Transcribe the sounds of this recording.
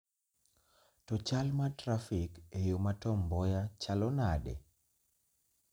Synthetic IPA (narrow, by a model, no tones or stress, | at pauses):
tɔt͡ʃalmatɾafikejomatɔmbɔjat͡ʃalɔnadḛ